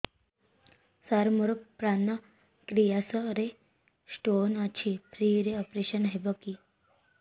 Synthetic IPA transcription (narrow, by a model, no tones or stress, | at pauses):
saɾmuɾpɾanə | kɾijasəɾe | sʈonət͡ɕʰipʰɾiɾeɔpɾeɕənɦebəki